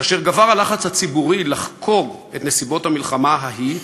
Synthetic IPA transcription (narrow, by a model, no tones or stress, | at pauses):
kaːʃe̞ʁɡavaʁalaχat͡shat͡sibuʁilaχkʰo̞ɡe̞t̪ne̞sibo̞thamilχamaɦaɦi